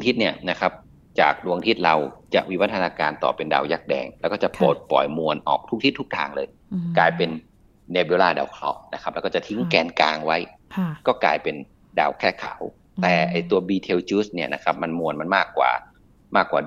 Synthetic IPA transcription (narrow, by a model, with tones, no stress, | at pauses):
ŋt̪ʰi˦˥t̪̚ni˥˩ɐna˦˥kʰa˦˥p̚ | t͡ɕa̰ː˨˩k̚du˧əŋt̪ʰi˦˥˩t̪̚ɾa˧wt͡ɕa̰˨˩ʔwi˦˥˩wa˦˥t̪ʰːa˧naː˧kaː˧nt̪ɔ̰ː˨˩pe˧nda̰ː˧˩wjaː˦˥˩k̚dɛ̰ː˧ŋlɛː˧˦˥wkɔː˥˩t͡ɕa˨˩ʔpoː˨˩t̪̚pɔ̰˨˩jmu˧ənʔɔ̰ː˨˩k̚t̪ʰu˦˥k̚t̪ʰi˦˥t̪ːʰu˦˥k̚t̪ʰaː˧ŋlɤː˧j | kaː˧jpe˧nː | eː˧bi˧˦laː˥˩da̰ː˨˩wkʰlɔ̰˦˥ʔna˦˥kʰa˦˥p̚lɛː˧kɔː˥˩a˨˩t̪ʰi˧˦˥ŋkɛː˧nkaː˧ŋwa˦˥jkɔː˥˩kaː˧jpe˧n | da̰ː˨˩wkʰɛː˥˩kʰa̰˨˩˦w | t̪ɛː˨˩ʔa˨˩jt̪u˧ɐbiː˧t̪ʰe˧wt͡ɕuː˦˥sni˥˩ɐna˦˥kʰa˦˥p̚ma˧nmu˧ənma˧nmaː˥˩kːwa̰ː˨˩ | maː˥˩kːwaː˨˩